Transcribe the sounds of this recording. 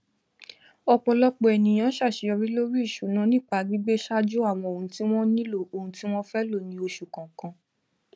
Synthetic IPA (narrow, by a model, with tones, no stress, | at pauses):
ɔ˧k͡pɔ˧lɔ˦k͡pɔ˧ɛ˨nĩ˨j̃ã˨˦ʃa˦˨ʃe˨˧˦ɔ˧ɾi˦lo˦ɾi˦i˦˨ʃu˨˦nã˨˦nĩ˦˨k͡pa˧˦ɡ͡bi˦ɡ͡be˦ʃa˦d͡ʒo˦a˦˨w̃ɔ̃˧o˨ũ˧ti˦w̃ɔ̃˦nĩ˦lo˦˨o˨hũ˧˦ti˦w̃ɔ̃˦fɛ˦lo˦˨nĩ˧˦o˧ʃu˨kã˨kã˧